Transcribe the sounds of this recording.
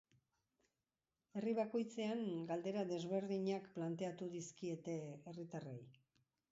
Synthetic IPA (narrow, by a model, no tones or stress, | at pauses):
e̞riβ̞ako̞jt͡se̞aŋɡald̪e̞ɾaðe̞zβ̞e̞ɾðiɲakplant̪e̞at̪uðiskie̞t̪e̞erit̪arej